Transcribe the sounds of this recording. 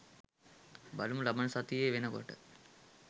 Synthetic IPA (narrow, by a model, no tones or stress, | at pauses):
baluməlɐbɐnəsat̪ijeːʋenəko̰ʈə